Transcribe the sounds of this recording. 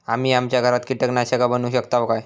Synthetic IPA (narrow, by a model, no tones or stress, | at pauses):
amiːamt͡ɕjaɡʱəɾat̪kiʈəknaɕəkabənuɕəkt̪aʋkaj